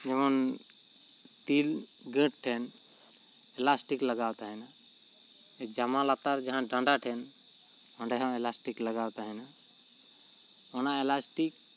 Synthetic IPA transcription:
d͡ʒɛmɔn | t̪il | ɡə̃ʈ̚ʈʰɛn | ɛlasʈikləɡawt̪aɦɛna | ɛd͡ʒamãlat̪aɾd͡ʒãɦãɖãɳɖaʈʰɛn | ɔɳɖɛɦãɛlasʈikləɡawt̪aɦɛna | ɔnaɛlasʈik̚

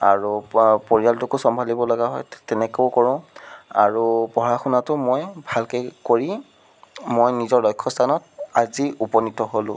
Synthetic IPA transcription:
a̰ɹupoɹijaltʊkʊsɔmbʱalibɔlɔɡaɦɔ̰jtɛnɛkoʊkoɹʊ̃a̰ɹupɔɦɹaxunatʊmojbʱalkɛkoɹi | mojnizɔɹlɔjkʰːɔstʰanɔt̚aziupɔnitɔɦolʊ̰̃

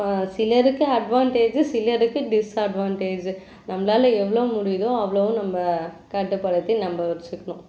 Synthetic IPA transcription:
sɪlɐɾɯkːɯɐɖʋaːɳʈeːd͡ʒɯsɪlɐɾɯkːɯɖɪsɐɖʋaːɳʈeːd͡ʒ | nɐmbɐlaːlɐɛʋːɐɭɐʋɯ̃mʊɽɪjðõɐʋɐɭɐʋʊ̃nɐmbɐ | kɐʈːɯpːɐɽɐt̪ːinɐmbɐʋɐɾt͡ʃːɯkːɐɳʊ̃

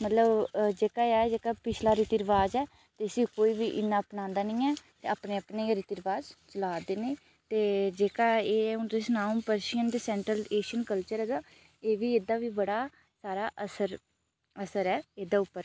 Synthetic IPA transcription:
mət̪ləbd͡ʒeːkaːaːɛd͡ʒeːkaːpɪt͡ʃʰlaːɾɪt̪iɾəʋaːd͡ʒɛː | t̪eəsĩːkoːiːʋiːʔɪnːãːpnãːnd̪aːnĩːɛːt̪ḛːaːpneːəpneːɾɪt̪iɾəʋaːzt͡ʃəlaːd̪eːneː | t̪eːd͡ʒeːkaːeːʊd̪esnaːmpəɾʃijənd̪eːsɛ̃ːɳʈɾəleːʃənkəlt͡ʃəɾɛːd̪aː | eːʋiːeːd̪aːʋiːbəɽaː | saːɾaːʔəsəɾ | əsəɾɛːeːd̪aːʊpːəɾ

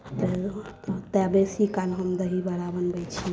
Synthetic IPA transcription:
t̪ə | t̪ɛbesikalɦəmd̪əɦibəɾabənbət͡ʃʰi

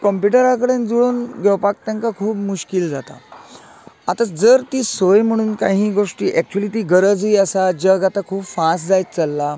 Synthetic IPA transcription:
kəmpjuʈəɾakəɽend͡zonɡewpak̚t̪ãŋkakʰuːpmuɕkild͡zat̪a̰ | at̪ad͡zəɾt̪iːsojm̤əɽ̃uːnkaɦĩːɡoʂʈiːʔɛk̚t͡ɕuəliːt̪iːɡəɾəd͡ziːəsad͡ʑəɡat̪akʰuːpfãsʈd͡zajtt͡səlːa

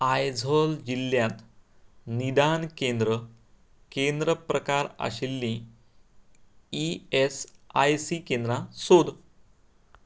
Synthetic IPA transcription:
ajd͡zʱold͡ʑilːjat̪ | nid̪ankend̪ɾə | kend̪ɾəpɾəkaɾa̰ɕilːĩ | iesajsikend̪ɾasod̪

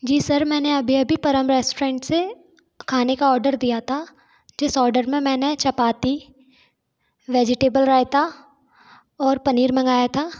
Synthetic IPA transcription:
d͡ʒiːsɐɾmɛ̃ːneɐbʱiɐbʱipɐɾəmɾɛːsʈɾɛ̃ːɳʈse | kʰaːnekaɔːɾɖəɾd̪ijat̪ʰa | d͡ʒɪsɔːɾɖəɾmẽmɛ̃ːnet͡ʃɐpaːt̪i | ʋeːd͡ʒɪʈeːbəlɾaːɪt̪ʰa | ɔːɾpɐniːɾmɐ̃ŋɡaːjat̪ʰaː

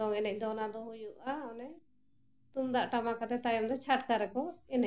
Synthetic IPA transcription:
ɔŋɛnɛc̚d̪ɔnad̪ɔɦujuʔaɔnɛ | t̪umd̪aʔʈamakat̪ɛt̪ajɔmd̪ɔt͡ʃʰaʈkaɾɛkɔɛnɛ

